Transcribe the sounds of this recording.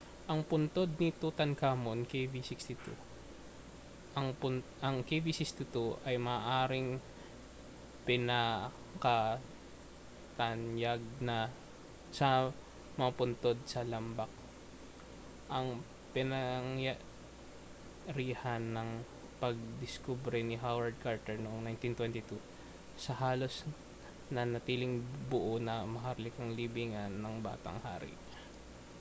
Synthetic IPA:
ʔɐŋpʊnt̪o̞d̪̚nɪt̪ut̪ɐnkaːmonkejvisikst̪ɪt̪ṵ | ʔɐŋpʊnʔɐŋkevisɪkst̪ɪt̪uʔɐjmɐːʔaːɾɪŋ | pɪnɐ | kɐ | t̪ɐnjaɡ̚nɐ | sɐ | mɐŋapʊnt̪od̪̚sɐlɐmbɐk̚ | ʔɐŋ | pɪnɐŋja | ɾiːhanːɐŋ | pɐɡ̚d̪ɪskubɾɛnɪɦawɐɹd̪̚kaɹt̪ɛɹnoŋnajnt̪int̪wɛnt̪ɪt̪u | sɐɦaːlo̞s | nɐnɐt̪iːlɪŋbʊʔonɐmɐɦaɾlɪkɐŋlibiːŋɐnːɐŋba̰ːt̪ɐ̰ŋha̰ːɾɪ̰

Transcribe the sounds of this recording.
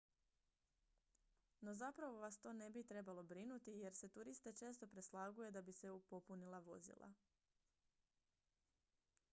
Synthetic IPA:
no̞zapɾaʋo̞ʋast̪o̞ːne̞bit̪ɾe̞balˠo̞bɾinut̪ije̞ɾse̞t̪uɾist̪e̞t͡ʃe̞ːst̪o̞pɾe̞slˠaɡuje̞d̪abise̞upo̞punilˠaʋo̞̰zḭlˠa̰

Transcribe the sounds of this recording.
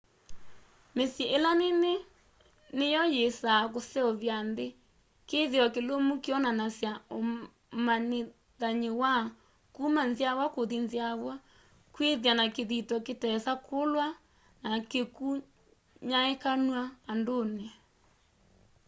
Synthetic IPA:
mesjeʔelanene | nejɔjesakosɛɔβjanðe | keðiɔkelomukeɔnanasjao | mane | ðaɲewa | kumanzjawakoðinziaβwa | kweðjanakeðitɔketɛsakʰolwa | nakeku | ɲaekanwaːndone

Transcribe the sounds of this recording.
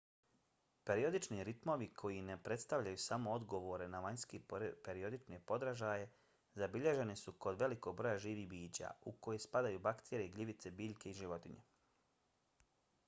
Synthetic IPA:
pe̞ɾio̞d̪it͡ʃniɾit̪mo̞ʋikʰo̞jine̞pɾe̞t̪st̪aʋʎajusamo̞od̪ɡo̞ʋo̞ɾe̞naʋaɲskepeɾio̞d̪it͡ʃne̞po̞d̪ɾaʒaje̞ | zabiʎe̞ʒe̞nisuko̞d̪ʋe̞liko̞ɡ̚bɾo̞jaʒiːʋibiːd͡ʑa̰uko̞jespad̪ajubakt̪ʰeɾeiɡliʋit̪se̞biːʎke̞iʒiʋo̞t̪iɲe̞̰

